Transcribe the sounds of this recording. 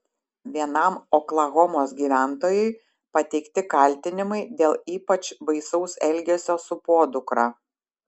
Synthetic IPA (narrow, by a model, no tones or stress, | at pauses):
ʋʲiɛnɐˑmɔklˠɐɣɔmoːsɡʲiːʋʲæˑnt̪oːjʊɪ | pɐt̪ʲɛɪkt̪ʲɪkɐˑlʲˑt̪ʲɪnʲɪmɐɪd̪ʲeːlˠiːpɐt͡ʃbɐɪsɔʊsɛlʲɡʲɛsʲoːsʊpoːd̪ʊkɾɑː